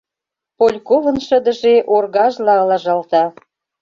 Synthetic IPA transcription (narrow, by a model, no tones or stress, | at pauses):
polʲkovə̆nʃə̆d̪ə̆ʒeʔorɣɑʒlɑɤlɑʒɑlt̪ɑ